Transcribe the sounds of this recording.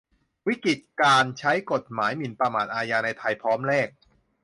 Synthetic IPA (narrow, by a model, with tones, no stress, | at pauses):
wi˦˥ki˨˩t̪̚kaː˧nt͡ɕʰa˦˥jko˨˩t̪̚maː˩˦jmi˨˩npɾa˧maː˨˩t̪̚ʔaː˧jaː˧na˧jt̪ʰa˧jpʰɔː˦˥mɾɛː˥˩k̚